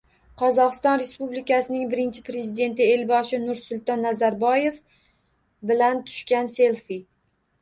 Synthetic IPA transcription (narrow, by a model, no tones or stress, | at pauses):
qʰɒzɒqɨst̪ɒnɾe̞spublɪkʲasɪnɪŋbɪɾɪnt͡ʃʰɪpɾe̞zɪd̪e̞nt̪ɪe̞lbɒʃɪnʊɾsʊlˠt̪ɒnːazaɾbɒje̞f | bɪlant̪ʰʊ̥ʃkʲanse̞lˠfɪ